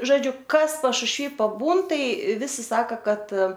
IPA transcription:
ʒoːˈd͡ʒʲʊ ˈkɐs pɐʃʊʃʲˈʋʲiː pɐˈbuːn ˈtɐɪ ˈʋʲɪsʲɪ ˈsɑːkɐ ˈkɐt

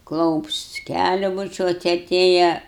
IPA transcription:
ˈklˠɐʊps ˈkʲælʲʊ bʊˈt͡ʃʲuɔt ɐˈtʲeːjɛ

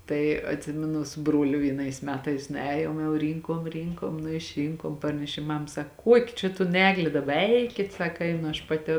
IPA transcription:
ˈtɐɪ ɐtʲˈsʲɪmʲɪnʊ sʊ ˈbruɔlʲʊ ʋʲiɛˈnɐɪs ˈmʲæːtɐɪs nʊˈɛːjoːm jɛʊ ˈrʲiːŋkoːm ˈrʲiːŋkoːm nʊ ɪʃʲˈrʲiːŋkoːm ˈpɐrʲnʲɛʃʲeːm ˈmɐm ˈsɐk ˈkuɔkʲɪ t͡ʃʲɛ toːn ˈæːɡlʲeː ˈdɑːbɐ ˈɛɪkʲɪt ˈsɑːkɐ ˈɛɪnʊ ɐʃ ˌpɑːˈtʲɪ

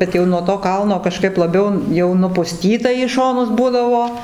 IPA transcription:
ˈbʲɛt jɛʊ nuɔ toː ˈkɐlˠnoː kɐˈʃkɐɪp lˠɐˈbʲɛʊ jɛʊ nʊpʊˈsʲtʲiːtɐ iː ˈʃoːnʊs ˈbuːdɐʋoː

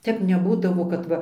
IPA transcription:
ˈtʲɛp nʲɛˈbuːdɐʋoː kɐt ˈʋɐ

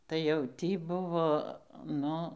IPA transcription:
tɐɪ jɛʊ ˈtʲiː ˈbʊʋoː ˈnʊ

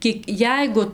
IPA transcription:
ˈkʲiɛk ˈjɛɪɡʊ

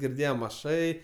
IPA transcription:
ɡʲɪrʲˈdʲeːjɛm ɐˈʃɐɪ

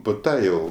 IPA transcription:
pʊ ˈtɐ ˈjɛʊ

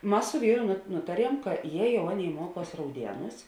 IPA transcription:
ˈmɐs sʊ ˈʋʲiːrʊ ˈnʊtɐˌrʲiɛm kɐ jɛ ˈjɛʊ ˈɑːˌnʲeːɪ ˈmuɔˌkuɔs rɐʊˈdʲiɛnuːs

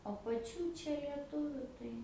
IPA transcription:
oː pɐˈt͡ʃʲuː ˈt͡ʃʲɛ lʲiɛˈtʊʋʲʊ tɐɪ

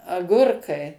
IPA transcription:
ɐˈɡʊrkɐɪ

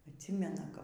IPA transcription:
ɐtʲˈsʲiːmʲɛnɐ kɐp

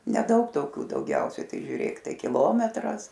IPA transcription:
nʲɛˈdɐʊk toːˈkʲuː dɐʊˈɡʲɛʊsʲɛɪ ˈtɐɪ ʒʲuːˈrʲeːk ˈtɐɪ kʲɪˈlˠoːmʲɛtrɐs

